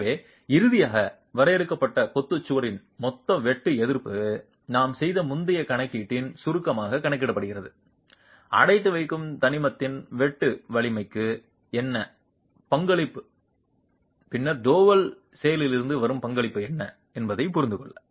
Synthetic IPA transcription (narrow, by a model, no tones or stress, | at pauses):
ʋeː | ɪɾɯðɪjaːɣɐ | ʋɐɾɐjɛɾɯkːɐpːɐʈːɐpɔt̪ːɯt͡ʃːɯʋɐɾɪn | mɔt̪ːɐʋɛʈːɯɛðɪɾpɯ | naːmsɛjðɐmʊnd̪ɐjɐkɐɳɐkːiːʈːɪnsʊɾɯkːɐmaːɣɐkɐɳɐɪkːɪɽɐpːɐɽɯɣɪrɐðɯ | ɐ̰ɽɐɪt̪ːɯʋɐɪkːɯmt̪ɐnɪmɐt̪ːɪnʋɛʈːɯʋɐɭɪmɐɪkːɯ | ɛnːɐ | pɐŋɡɐɭɪpːɯ̥ | pɪnːɐɾɖoːʋɐl | sɛjɐlɪlɪɾɯnd̪ɯʋɐɾɯmpɐŋɡɐɭɪpːɯɛnːɐ | ɛnbɐðɐɪpʊɾɪnd̪ɯkɔɭːɐ